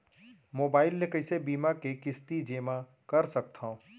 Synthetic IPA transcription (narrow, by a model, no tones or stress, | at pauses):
moːbaːɪlnekəɪsebiːmakekɪst̪id͡ʒeːma | kɐɾsɐk̚t̪ʰã